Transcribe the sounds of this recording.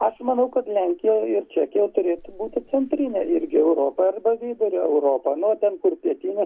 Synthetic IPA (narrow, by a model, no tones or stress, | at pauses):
ɐʃmɐnɐʊkɐt̪lʲæŋʲkʲɪjɛɪrt͡ʃʲæːkʲejɛʊt̪ʊɾʲeːt̪ʊbuːt̪ʲɪt͡s̪ʲɛnʲt̪ʲɾʲɪnʲeʔɪɾʲɡʲɪɛʊɾoːpɐɐrbɐʋʲiːd̪ʊɾʲoɛʊɾoːpɐnʊoːt̪ʲɛnkʊrpʲiɛt̪ʲinʲɛ